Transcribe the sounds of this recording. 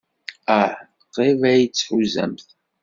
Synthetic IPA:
aħ | qevæjit͡sːħuzə̰mθ

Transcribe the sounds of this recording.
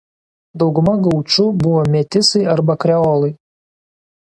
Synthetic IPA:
d̪ɐwɡʊmɐɡɐwt͡ʃʊbʊʋɔmʲet̪ʲɪsɐjɐrbɐkɾʲɛolˠɐj

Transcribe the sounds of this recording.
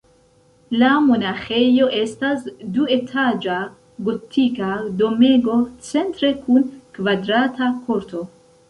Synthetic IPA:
lamo̞naxe̞jo̞ʔe̞stasdue̞tʰad͡ʒa | ɡo̞tʰikado̞me̞ɡo̞t͡se̞ntɾe̞kʰunkvadɾatʰakʰoɾto̞

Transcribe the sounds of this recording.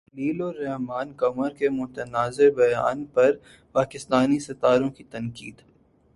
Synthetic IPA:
liːlɔːɾːɛɦmaːnkɐməɾkemʊt̪ənaːzebɐja̰ːnpɐɾ | paːkɪst̪aːnisɐt̪aːɾõkit̪ɐnkiːd̪

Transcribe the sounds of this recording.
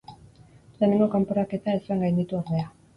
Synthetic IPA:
le̞ːneŋɡo̞kampoɾake̞t̪aesueŋɡajnd̪it̪uoɾðe̞a

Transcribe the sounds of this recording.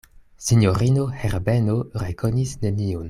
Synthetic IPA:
sinjoɾino̞heɾbenoɾekʰo̞nisne̞nion

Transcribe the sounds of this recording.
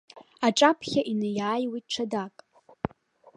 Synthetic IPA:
aʈ͡ʂʼapʰχʲaʔinɨjaːjwit̚ʈ͡ʂʰadakʼ

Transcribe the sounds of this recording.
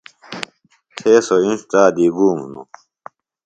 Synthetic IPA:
tʰeːsoĩnstaːd̪iːɡuːmṵnṵ

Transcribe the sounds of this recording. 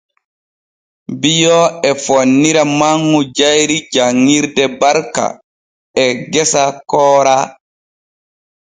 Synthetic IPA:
bijɔɛfonːiɾamaŋːɡud͡ʒajɾid͡ʒaŋːiɾdɛbaɾka̰ | ɛɡɛsakɔːɾa

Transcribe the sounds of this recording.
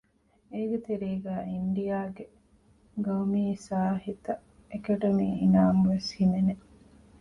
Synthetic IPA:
eːɡet̪eɾeːɡæːiɳɖijaːɡe | ɡɐumiːsaːɦit̪ɐ | ekɐɖɐmiːinaːmuʋeshinene

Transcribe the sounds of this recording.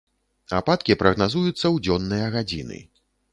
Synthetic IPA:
apat̪kʲipɾɐɣnazujut̪sːɐwd͡zʲɔnːɨjɐɣad͡zʲinɨ̰

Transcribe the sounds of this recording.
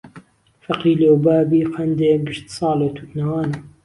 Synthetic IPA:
fɐqiːlewbaːbiːqʰɐnd̪eɡɨʃt̪sɑːlet̪ʰuknɐwɑːnɐ

